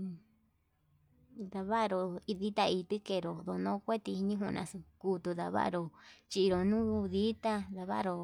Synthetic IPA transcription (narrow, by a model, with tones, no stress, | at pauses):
ða˧βa˦ʔɾo˧i˧ði˦t̪a˧i˧t̪ɨ˦ke˧˨ɾo˨d̪o˧˨˧nõ˦˧kʷe˦t̪i˧ɲĩ˦ɦũ˧nʔã̰˧su˧ku˧˦t̪u˧ða̰˧βa̰˦ʔɾo˧t͡ʃi˧i˧ɾo˨nũ˦˧ði˦t̪a˦ða˧βa̰˦ʔɾo˧